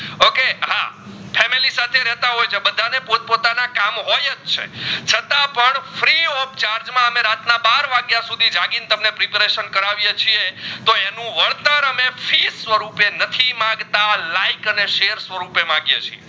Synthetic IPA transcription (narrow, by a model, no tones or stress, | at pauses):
okeɦa̰fʰɛmilisat̪ʰeɾɛɦt̪aɦojt͡ʃʰebəd̪ʱanepopot̪anakamɦojətt͡ʃʰḛt͡ʃʰət̪ãpəɳfɾiop̚t͡ʃaɾd͡ʒmãəmeɾat̪nabaɾʋaɡjasud̪ʱid͡ʒaɡint̪əmnepɾipɾeʃənkəɾaʋjet͡ʃʰiet̪oenũʋəɾt̪əɾəmefʰisʋəɾupenət̪ʰimãɡt̪alaikəneʃejəɾsʋəɾupemãɡjḛt͡ʃʰie